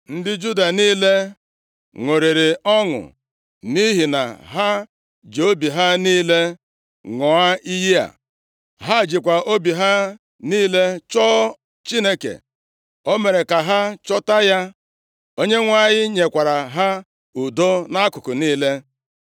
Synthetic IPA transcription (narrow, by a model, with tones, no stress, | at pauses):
n̩˦dɪ˦d͡ʒu˦da˨niː˦le˦ | ŋʷo˨ɾi˨ɾɪ˨ɔ˦ŋʊ̰˨ | ni˦ɦi˨na̰˨ɦa˦ | d͡ʒe˨o˦bi˨ɦa˦niː˦le˦ | ŋɔ˨a˦i˦ji˦a̰˨ | ɦa˦˨d͡ʒi˨kʷa˨o˦bi˨ɦa˦ | niː˦le˦t͡ʃɔ˦ | t͡ʃi˦ne˦kḛ˨ | o˦me˨ɾe˨ka˨ɦa˦t͡ʃɔ˦ta˦ja˦ | o˦ɲe˦ŋʷa˦˨ɲɪ˦ɲe˨kʷa˨ɾa˨ɦa˦ | u˨do˦na˦kʊ˨kʊ˨niː˦le˦